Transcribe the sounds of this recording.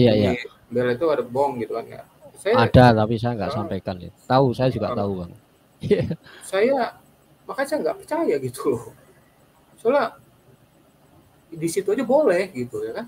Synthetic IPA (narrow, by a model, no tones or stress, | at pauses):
ijaija | mbelait̪uadəbɔŋɡit̪ukanja̰ | sajaadat̪apis̬ajaŋɡa̰ʔsampajkana̰t̪ausajad͡ʒuɡaʔt̪aubaŋət̪̚ | jasaja | makasajaŋɡaʔpərt͡ʃajaɡit̪ulɔh | sola | disit̪uad͡ʒabolɛhɡit̪ujakan